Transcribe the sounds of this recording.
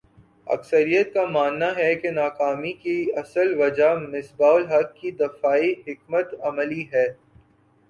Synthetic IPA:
ɐ̰ksəɾijət̪̚kamaːnːaɦɛkenaːkaːmikiɐsəlʋɐd͡ʒamɪsbaːʊlɦɐkːid̪ɐfaːiɦɪk̚mət̪ɐməliɦɛː

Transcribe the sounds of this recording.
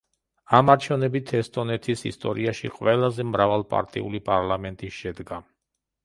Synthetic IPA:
amaɾt͡ʃʰɛvnɛbit̪ʰɛst̪ʼɔnɛt̪ʰisḭst̪ʼɔɾiaʃḭqʼwɛlˠazɛmɾavalˠpʼa̰ɾt̪ʼḭṵlipʼaɾlamɛnt̪ʼiʃɛd̪ɡa

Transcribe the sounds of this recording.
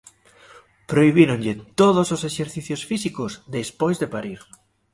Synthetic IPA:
pɾoiβiɾoŋʎɪt̪oðososeʃeɾθiθjosfisikozd̪espojzðepaɾiɾ

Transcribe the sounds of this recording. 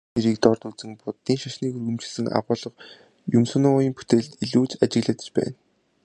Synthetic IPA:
neɾiːk̚t̪ɔrt̪ut͡sɘ̆ŋpʊt̪ːiːŋʃaʃniːkɵrɣɘ̆mt͡ɕɪ̆ɮsɘ̆ŋa̰ʁʊːɮɞ̆χ | jɵmsɵ̆nʊjiːmpu̥t̪eɮt̪iɮuːt͡ɕat͡ɕɪ̆ɣɮə̆ːt̪̆t͡ɕpæ̰ːn

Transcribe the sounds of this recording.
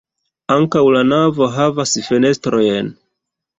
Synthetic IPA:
aŋkawlanavo̞ɦavasfe̞ne̞stɾo̞jen

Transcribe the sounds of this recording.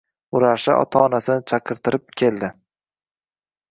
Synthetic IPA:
ʊɾaʃɪ̰ʔɒ̰t̪ʰaɒnasɪnɪt͡ʃʰaqʰɨɾt̪ʰɪɾɪp̚kʲʰe̞ld̪ɪ

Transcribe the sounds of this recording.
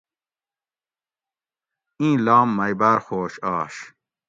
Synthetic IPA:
ĩːlaːmːɐjbaːɾxoːɕɑːɕ

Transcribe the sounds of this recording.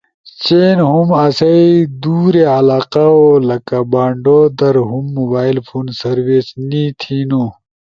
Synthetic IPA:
t͡ɕeːnɦumɐsɐid̪uːɾeɐlaːqaolɐkabaːɳɖod̪ɐɾɦumːobaːilpʰuːnsɐɾwesnit̪ʰiːnu

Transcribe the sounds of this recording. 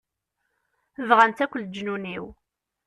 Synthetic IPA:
vʁænt̪ækʷːəld͡ʒnuniw

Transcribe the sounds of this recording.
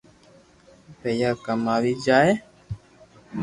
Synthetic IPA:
pɛjakəmaɾid͡ʒaːe

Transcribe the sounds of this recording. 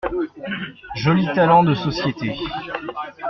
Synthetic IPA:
ʒɔlit̪alɑ̃d̪əsɔsjet̪e

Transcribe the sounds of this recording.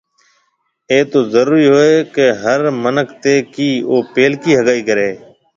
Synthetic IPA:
eːt̪oːzəɾuːɾiːɦoːeːkeɦəɾmənəkt̪eːkiːoːpeːlkiːɦəɠaːiːkəɾeː

